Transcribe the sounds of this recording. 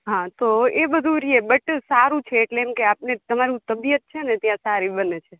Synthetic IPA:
ɦãt̪oebəd̪ʱũɾiebəʈsaɾũt͡ʃʰeːʈleːmkeapnet̪əmaɾũt̪əbijət̪̚t͡ʃʰenet̪jãsaɾibənet͡ʃʰe

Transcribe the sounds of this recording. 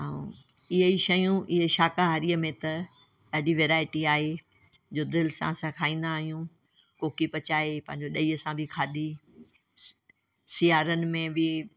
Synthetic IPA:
ɦaːṵ̃ | ɪɦəiʃɐjũʔɪɦeʃaːkaɦɐɾiəmẽt̪ɐ | ɐɦɪɽiʋeːɾaːɪʈiaːɦe | d͡ʑoːd̪ɪlsã̰sãkʰaːĩːnd̪aːɦijũ | koːkipɐt͡ɕaːepɐ̃ɦɪ̃ɲd͡ʑoɗɐiːəsãbʱɪkʰaːd̪i | sijaːɾənɪ̆mẽbɪ

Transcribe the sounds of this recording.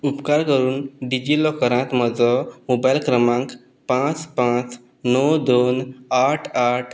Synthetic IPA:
upkaɾkəɾuːnɖid͡ʑilɔkəɾãt̪məd͡zɔmobajlkɾəmãŋk | pãt͡spãt͡s | nɔwd̪onaʈʰaʈʰ

